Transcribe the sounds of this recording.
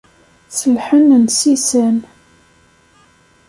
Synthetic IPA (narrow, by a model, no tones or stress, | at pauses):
səlħənənsisæn